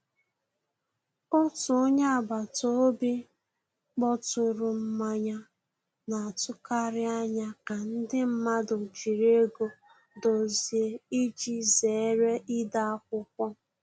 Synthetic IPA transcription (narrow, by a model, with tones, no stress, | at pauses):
ʊ˦tʊ˨o˦ɲa˦a˨ba˨to˦bi˦ | k͡pɔ˦tʊ˨ɾʊ˨m̩˦ma˦ɲa˦ | na˨a˨tʊ˦ka˦ɾɪ˦a˦ɲa˦ka˨n̩˦dɪ˦m̩˦ma˦dʊ˨d͡ʒi˨ɾe˦ɡo˨ | do˨zi˨e˨i˦d͡ʒi˦ze˨˦ɾe˦ʔi˦da˦a˦kʷʊ˦k̚ʷɔ˦